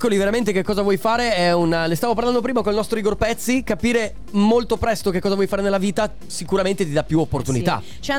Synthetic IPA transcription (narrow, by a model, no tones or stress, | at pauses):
kːoliveɾament̪ekekːɔːzavwɔjfaːɾeɛunlest̪avop̬aɾland̪opɾiːmakonilnɔst̪ɾoiɡorpɛt̪sːikapiːɾe | molt̪opɾɛst̪ok̟ekːɔːzavwɔjfaːɾenelːaviːt̪a | sikuɾament̪et̪̬id̪apːjuopːort̪unit̪a̰ | t͡ʃ